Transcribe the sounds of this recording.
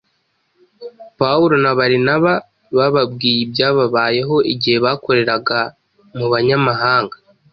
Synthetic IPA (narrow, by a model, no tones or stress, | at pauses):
pauɾo̞naβaɾinaβa | βaβabɡiːjibjaːβaβaːje̞ɦo̞ʔiɟihe̞βaːko̞ɾe̞ɾaɡa | muβaɲamaɦaːŋɡḁ